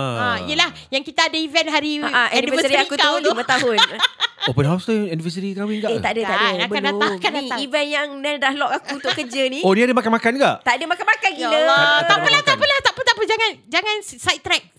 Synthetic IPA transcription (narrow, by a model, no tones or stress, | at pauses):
aijəlahjaŋkit̪aːdaivɛnɦaɾiaʔaʔɛɛniivəssiakut̪ulimat̪aɦʊnopənɦast̪əɛnivəs̬əɾit̪awiŋɡaʔet̪aʔdəadaabəkaldat̪akanivɛnjaŋnɛ̃ndahlɔkakuunt̪ʊʔkəd͡ʒənĩoniadəmakanmakanɡaʔt̪adəmakanmakankilət̪apəlaht̪apəlaht̪aʔpət̪apəd͡ʒaŋãnd͡ʒaŋãnsajtt̪ɾɛk̚